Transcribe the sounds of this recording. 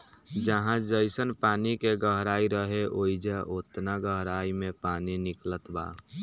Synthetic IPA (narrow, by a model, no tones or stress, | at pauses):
d͡ʒəɦãd͡ʒəɪsənpaːnikeɡəɦɾaiɾəɦeʔoid͡ʒaʔot̪naɡəɦɾaimẽpaniniklət̪ba̰